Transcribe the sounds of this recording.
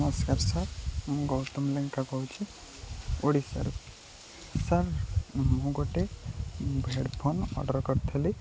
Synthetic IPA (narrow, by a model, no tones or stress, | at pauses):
mɔskaɾsaɾɡɔwt̪ɔmleŋkakɔwt͡ʃʰi | oɽisa̰ɾ | saɾmuɡɔʈe | bʱeɽbʰʱɔnɔ̰ɖɔɾkɔɾt̪ʰeli